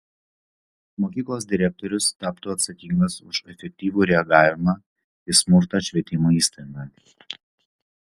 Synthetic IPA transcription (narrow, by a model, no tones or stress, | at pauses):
moːkʲiːklˠoːsd̪ʲɪɾʲɛk̚t̪ɔɾʲʊst̪ɑːpt̪uːɐt̪sɐkʲiŋɡɐsʊʃɛfʲɛk̚ʲt̪ʲiːʋuːɾʲɛɐɡɑːʋʲɪmɑː | ɪsmʊɾt̪ɑʃʲʋʲiɛt̪ʲɪmuːiːst̪ɐɡɐ